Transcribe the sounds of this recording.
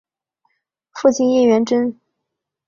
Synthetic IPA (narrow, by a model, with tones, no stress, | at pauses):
fu˥˩t͡ɕʰi˥˧ni˥˩ɥɛ˧˥nʈ͡ʂə˥n